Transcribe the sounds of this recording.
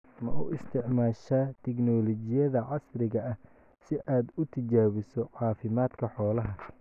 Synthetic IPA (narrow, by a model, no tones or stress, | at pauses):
mɐʔṵːɪst̪ʰɪʕmaːʃaːt̪ʰɪɡnɔːlɔt͡ʃɪjɐðɐʕɑsrɪɣɐɐh | sɪʔaːd̪ʊt̪ʰɐt͡ʃaːβɪsɔʕɑːfɪmaːd̪kʰɐħɔːlɐɦɐ